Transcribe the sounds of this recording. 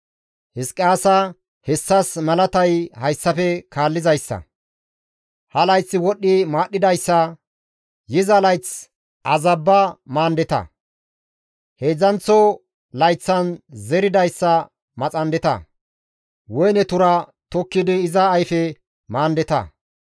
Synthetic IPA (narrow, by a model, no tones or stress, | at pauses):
hɪskʼːaːsɐ | hɛsːɐsmɐlɐt̪ɐjhɐjsːɐfɛkaːlːɪzɐjsːɐ̰ | hɐlɐjt͡sːɪwɔɗːɪmaːɗːɪd̪ɐjsːɐ | jɪzɐlɐjt͡s | ʔɐzɐbːɐmaːnd̪ɛt̪ɐ̰ | heːd͡zɐnt͡sːɔ | lɐjt͡sːɐnzɛɾɪd̪ɐjsːɐ | mɐt͡sʼɐnd̪ɛt̪ɐ̰ | wɔjnɛt̪ʊɾɐt̪ɔkːɪd̪ɪːzɐːjfɛ | maːnd̪ɛt̪ɐ̰